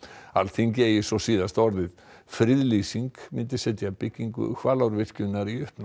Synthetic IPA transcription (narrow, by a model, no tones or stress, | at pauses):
a̰lθiɲcɪɛjɪsɔsiːðast̪ɔɾðɪð | fɾɪðlisiŋkmɪnt̪ɪsɛt̪japɪcːiŋkʏ̰kʰvaːlawɾvɪr̥cʏnːaɾiʏhpn